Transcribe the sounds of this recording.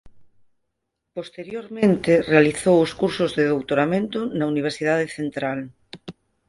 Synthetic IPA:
post̪eɾjoɾmẽnt̪ɪrealiθowʊskuɾsʊzðeðowt̪oɾamẽnt̪ʊnauniβ̞eɾsið̞aðeθent̪ɾal

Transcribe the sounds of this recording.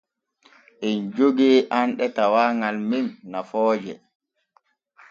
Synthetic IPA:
ʔɛnd͡ʒoɡeːʔanɗɛtawaːŋalminːafɔːd͡ʒɛ̰

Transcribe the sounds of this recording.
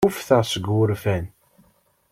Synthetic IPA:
ʊfθəʁsəɡʊɾfæn

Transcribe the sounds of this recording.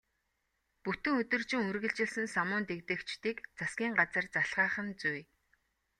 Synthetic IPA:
put̪ɵ̆ŋɵt̪ɵ̆rt͡ɕɪ̆ŋɵrɣɘ̆ɮt͡ɕɪ̆ɮsɘ̆nsamʊːnt̪ekt̪ɘ̆kt͡ɕt̪iːkt͡sasɡʲiːŋɢat͡sə̆rt͡saɬʁaːχə̆nt͡suj

